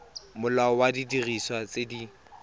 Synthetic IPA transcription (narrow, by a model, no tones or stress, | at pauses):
mʊlaɔwadidiriswat͡sedi